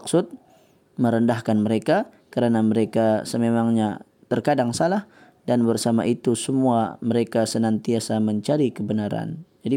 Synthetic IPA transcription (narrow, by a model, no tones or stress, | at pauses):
ksʊt̪̚ | məɾəndahkanməɾeka | kəɾanaməɾekasəmemaŋɲa | t̪ərkadaŋsalah | danbərsama̰ʔit̪usəmua̰məɾekasənant̪iasaməɲt͡ʃaɾikəbənaɾa̰nd͡ʒadi